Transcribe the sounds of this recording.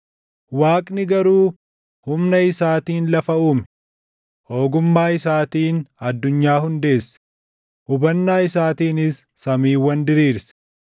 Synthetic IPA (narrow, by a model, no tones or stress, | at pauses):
waːkʼnɪɡɐɾuː | hʊmnɐɪsaːt̪iːnlɐfɐuːmɛ | ho̞ːɡʊmːaːɪsaːt̪iːnɐd̪ːʊɲːaːhʊnd̪e̞ːsːɐ̥ | ʔʊbɐnːaːɪsaːt̪iːnɪsːɐmiːwɐnd̪ɪɾiːɾsɐ̥